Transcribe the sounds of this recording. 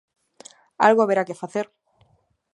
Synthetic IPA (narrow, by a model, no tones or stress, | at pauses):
a̰lɣoaβeɾake̞faθe̞ɾ